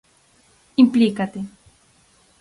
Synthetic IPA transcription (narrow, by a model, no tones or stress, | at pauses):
implikat̪e